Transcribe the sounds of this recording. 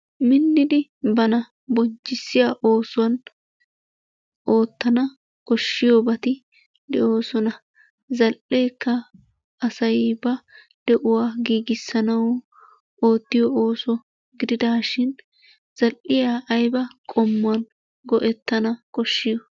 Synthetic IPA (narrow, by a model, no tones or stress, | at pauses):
mɪnːɪd̪ɪbɐnɐ | bɔɲt͡ʃːɪsːɪjaːʔo̞ːsʊwɐn | ʔo̞ːt̪ːɐnɐ | kɔʃːɪjobɐt̪ɪ | d̪ɛʔo̞ːsɔnɐ | zɐlʔe̞ːkːɐː | sɐjbɐ | d̪̥ɛʔʊwaːɡiːɡɪsːɐnɐw | o̞ːt̪ːɪjɔoːsɔ | ɡɪd̪ɪd̪aːʃɪn | z̥ɐlʔʔɪjaːʔːjbɐkʼɔmːʊɐn | ɡɔʔɛt̪ːɐnɐkɔʃːɪjɔ